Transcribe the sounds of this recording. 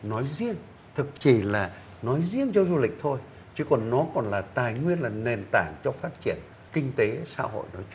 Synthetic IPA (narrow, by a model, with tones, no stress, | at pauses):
nɔ˨˦jzi˧əŋ | t̪ʰɨ˨˩k̚t͡ɕi˧˩laː˨˩ | nɔ˨˦jzi˧əŋt͡ɕɔ˧zu˧lï˨˩k̟̚t̪ʰo˧j | t͡ɕi˨˦kɔ˨˩nːɔ˨˦kɔ˨˩nlaː˨˩t̪aː˨˩jŋwi˧ənlaː˨˩ne˨˩nt̪aː˧˩ŋt͡ɕɔ˧faː˦˥t̚t͡ɕi˧˩ən | kï˧ŋ̟t̪e˨˦sa̰ː˧˥ho̰˧˨jnɔ˨˦t͡ɕ